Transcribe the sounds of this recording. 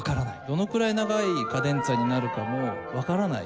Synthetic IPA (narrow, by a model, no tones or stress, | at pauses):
kaɾanaid̪̥o̞no̞kɯ̟ɾainaɡaikad̪ẽ̞nt͡saɲ̟inaɾɯ̟kamo̞βakaɾana̰ḭ